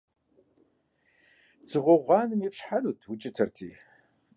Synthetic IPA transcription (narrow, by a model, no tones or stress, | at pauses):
d͡zɨʁʷɔʁʷɑːnɨmjɛpɕħanuːtʰwʊt͡ʃʼɪtʰɨrtʰḭː